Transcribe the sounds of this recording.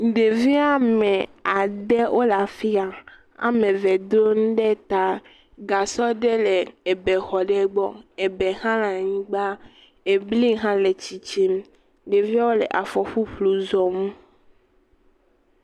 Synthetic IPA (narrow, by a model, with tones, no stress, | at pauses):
ɖe˨vi˦a˦mẽ˨a˨ɖe˦ʔo˦la˨fi˦a˨ | a̰˨mẽ˨ve˨d̪ɾo˦ŋũ˦ɖe˦t̪a˦ | ɡa˨sɔ˦ɖe˦le˨e˨be˨xɔ˨ɖɛ˦ɡ͡bɔ˦e˨be˨ɦã˦lã˨ɲĩ˦ɡ͡ba˦ | e˨bli˦ɦã˦le˨t͡ɕi˨t͡ʃi˦m | ɖe˨vi˦a˦wo˦lḛ˨ʔa˨fɔ˨ɸu˦ɸlu˨zɔ˨mũ˦